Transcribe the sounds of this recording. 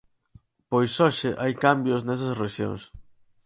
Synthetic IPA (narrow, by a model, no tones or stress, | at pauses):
pojsɔʃɪʔajkambjosnɛs̬ɐsreʃjo̰ŋs